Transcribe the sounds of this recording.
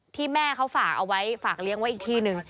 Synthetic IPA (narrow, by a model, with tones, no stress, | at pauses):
t̪ʰiː˥˩mɛː˥˩kʰa˦˥wfaː˨˩k̚ʔa˧wa˦˥jfaː˨˩k̚li˦˥əŋwa˦˥jʔiː˨˩t̪ʰiː˥˩nɯ˧ŋ